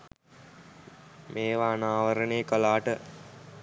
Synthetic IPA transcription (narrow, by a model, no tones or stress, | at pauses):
mʔeːʋaːnaːʋəɾəneəkəlaːʈə